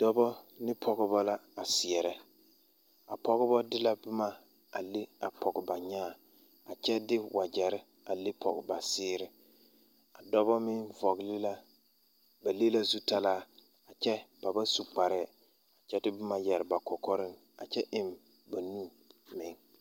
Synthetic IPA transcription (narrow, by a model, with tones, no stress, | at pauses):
d̥ɔ˦bɔ˦ | nɪ˦pʰɔ˨ɣɪ˦ba˦la˦a˨sɪ˨ɛ˨ɾɛ˦ | a̰˨pɔ˦ɣɪ˦bɔ˦dɪ˦la˦bʊ˦ma˦ | a˨le˦a˨pʰɔ˨ɡɪ˨ba˨ɲaː˦˨ | a˨t͡ʃɛ˦dɪ˦wa˨d͡ʒɛ˨ɾɪ˦ | a˨le˦pʰɔ̰˨ɡɪ˨ba˨sɪː˦ɾɪ˦ | a˨dɔ˦bɔ˦mɪ˦ŋvɔ˨ɡlɪ˦la˦ | ba˨le˦la˦zu˦ta˦laː˦˨ | a˨t͡ʃɛ˦b̥a˨ba˦su˨k͡pa˨ɾɛ˦˨ | a˨t͡ʃɛ˦tɪ˦bʊ˦ma˦jɛ˨ɾɪ˨ba˨kɔ˨kɔ˦ɾɪ˦ŋ | a˨t͡ʃɛ˦ʔɪ˦m | ba˨nu˦˨ | mɪ˨ŋ